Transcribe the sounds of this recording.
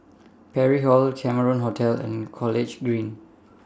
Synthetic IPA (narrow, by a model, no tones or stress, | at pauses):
pʰɛɹiɦɔlkʰɛməɹə̃nɦotʰɛlɛ̰̃nkʰɔlɪd͡ʒɡɹĩn